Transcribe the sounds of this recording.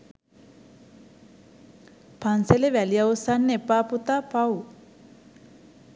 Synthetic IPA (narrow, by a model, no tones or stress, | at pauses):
panseleʋɛlijawsanːepaːput̪apaw